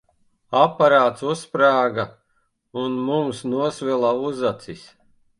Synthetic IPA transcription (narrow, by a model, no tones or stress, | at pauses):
apaɾaːt̪suspɾaːɡa | unmumsnuɔsvɛlˠauzat̪sis